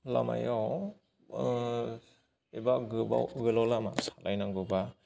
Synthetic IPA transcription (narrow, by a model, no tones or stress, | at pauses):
la̰ma̰jaw | ebaɡɯba̰ɡɯlawlama̰sḁlajnaŋɡɯba